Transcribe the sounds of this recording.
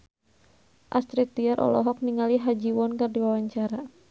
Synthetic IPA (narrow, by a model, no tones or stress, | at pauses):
ʔast̪ɾit̪̚diaɾʔɔ̰lɔ̰ɦɔk̚niŋaliɦad͡ʒiwɔnkɨrdiwawaɲt͡ʃaɾa